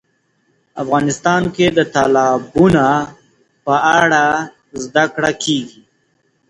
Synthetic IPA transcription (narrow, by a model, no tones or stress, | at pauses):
a̰fɣɑnɪst̪ɑnked̪ət̪alɑbuna | pəaɽa | zd̪akɽakʰeɡi